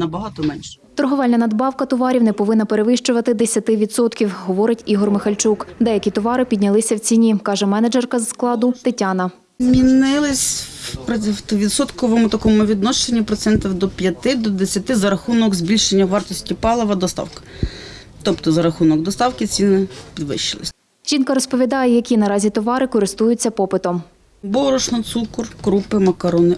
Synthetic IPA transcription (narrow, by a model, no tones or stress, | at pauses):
nɐbɐɦɑt̪ɔmɛnʲʃɛ̥t̪ɔrɦɔʋɛlʲnɐnɐd̪bɑwkɐt̪ɔʋɑɾʲiwnɛpɔʋɪnːɐpeɾeʋɪʃt͡ʃʊʋɐt̪ɪd̪esʲɐt̪ɪʋʲid̪sɔt̪kʲiwɦɔʋɔɾɪtʲiɦɔrmɪxɐlʲt͡ʃukd̪ɛjɐkʲit̪ɔʋɑɾɪpʲidʲnʲɐlˠɪsʲɐwt͡sʲinʲikɑʒɛmɛnɐd͡ʒɛrkɐzsklˠɑd̪ʊt̪ɪtʲɑnɐ | mʲinɪlˠɪsʲpɾɔwt̪ɔʋʲid̪sɔt̪kɔʋɔmʊt̪ɐkɔmʊʋʲid̪nɔʃt͡ʃenʲːipɾɔt̪sɛnt̪ʲiwd̪ɔpʲjɐt̪ɪd̪ɔd̪esʲjɐt̪ɪzɐɾɐxunɔkzbʲilʲʃenʲːɐʋɑrt̪ɔsʲtʲipɑlˠɔʋɐd̪ɔst̪ɑ̰wkɐ̥ | t̪ɔpt̪ɔzɐɾɐxunɔɡd̪ɔst̪ɑwkɪt͡sʲinɪpʲid̪ʋɪ̰ʃɪlˠɪ̰sʲ | ʒ̥ʲinkɐɾɔspɔʋʲid̪ɑjɛjɐkʲinɐɾɑzʲit̪ɔʋɑɾɪkɔɾɪst̪ujʊt͡sʲːɐpɔpɪt̪ɔm | bɔɾɔʃnɔt̪sukɔrkɾupɪmɐkɐɾɔnɪ